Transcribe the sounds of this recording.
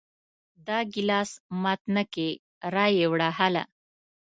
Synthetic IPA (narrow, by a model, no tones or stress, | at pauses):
d̪ɑɡilɑːsmɑt̪nəke | ɾɑjewɽaɦala̰